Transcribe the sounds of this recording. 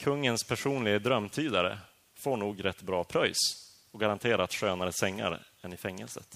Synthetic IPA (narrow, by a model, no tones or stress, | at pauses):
kʰɵŋːənspʰæʂuːnlɪɡəd̪ɾœmːt̪ʰyːd̪aɾə̰ | foːɳuːɡɾɛt̪ːbɾɑːpʰɾɔjs | ɔɡaɾant̪ʰeːɾaɾat̪ɧøːnaɾəsɛŋːa̰ɾə̰ɛnːɪfɛŋːə̰lsə̰t̪